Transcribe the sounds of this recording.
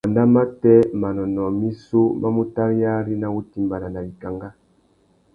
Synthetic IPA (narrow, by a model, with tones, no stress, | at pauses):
a˨nda˦ma˦tɛ˦ma˨nɔ˨nɔ˨mi˦su˦ma˦mu˦ta˦ɾi˦ja˦ɾi˦na˨wu˦ti˦mba˨na˨na˨bi˨ka˨ŋɡa˦